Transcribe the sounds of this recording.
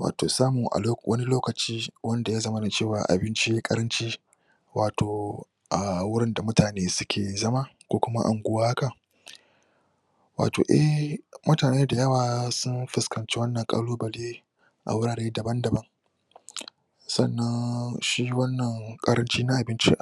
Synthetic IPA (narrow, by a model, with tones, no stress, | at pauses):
wa̰ː˨to̰ː˨saː˦mʊ˨ŋʔa̰˨˦wʔɐ̰˦ni˦loː˦kɐ˨t͡ʃiː˦wɐ˦nda˨ja˦zɐ˦mɐ˦na˨t͡ʃeː˦˨waː˨ʔa̰˨bɪ˦nt͡ʃi˦kʼɐ̰˦ɾɐ˦nt͡ʃiː˦ | waː˨toː˨ | ʔa˨wʊ˦ɽɪ˦nda˨mʊ˦taː˨neː˦sʊ˦kʲʰeː˨zɐ˦ma˦kʷoː˦kʷʊ˦ma̰˦ʔa̰˨ŋɡʷʊ˦waː˦ha˦ka˨ | wa̰ː˨to̰ː˨ʔɛ˦hmʊ˦taː˨neː˦da˨jɐ˦waː˨sʊ˦nɸɪ˨skɐ˨nt͡ʃe˦wɐ˦nːɐ˨ŋkʼa̰ː˦loː˦bɐ˨leː˦ | ʔa̰˨wʊ˦ɽaː˨ɽeː˦dɐ˨bɐ˦ndɐ˨bɐ˦ŋ | sɐ̰˦˨nːɐ˦nʃiː˦wɐ˦nːɐ˨ŋkʼɐ˦ɾɐ˦nt͡ʃiː˦na˦ʔa˨bɪ˦nt͡ʃḭ˦ʔ